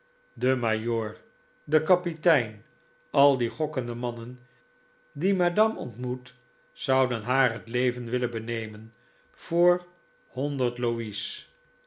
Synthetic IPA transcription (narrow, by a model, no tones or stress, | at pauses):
dəmajoːɹ | dəkɑpitɛjn | ɑlˠdiχɔkəndəmɑnən | dimadɑmɔ̰ntmut | z̥ʌwdənɦaːɹɦətlejvənʋɪlənbənejmən | v̥ʊːɹ | hɔndəɹtlois